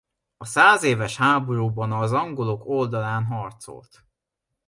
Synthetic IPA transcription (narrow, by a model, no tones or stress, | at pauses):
ɒsaːzeːvɛʃhaːbo̞ɾuːbɒnɒzɒŋɡo̞loko̞ld̪ɒlaːnɦɒrt̪so̰lt̪